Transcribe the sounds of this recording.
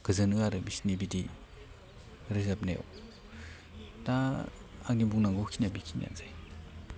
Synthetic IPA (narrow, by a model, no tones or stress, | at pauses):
ɡ̥ɯzɯnɯaɾɯbisnibidi | ɾizapnḛw̰ | da | aŋnibuŋnaŋɡukʰinabikʰinja̰nzaj